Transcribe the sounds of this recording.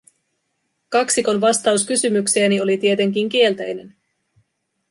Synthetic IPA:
kɑksiko̞nʋɑst̪ɑuskysymykse̞ːnio̞lit̪ie̞t̪e̞ŋk̟̬iŋk̟ie̞lt̪æjne̞n

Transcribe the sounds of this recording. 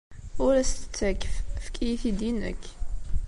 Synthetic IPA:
ʊɾæst̪ə̥t͡sːækːffkʰijiθid̪inə̰k

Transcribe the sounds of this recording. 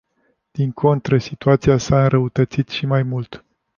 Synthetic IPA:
d̪̥iŋkʰo̞nt̪ɾəsit̪uat̪siasaɨnɾəut̪ət̪sit̪ʃimajmult̪

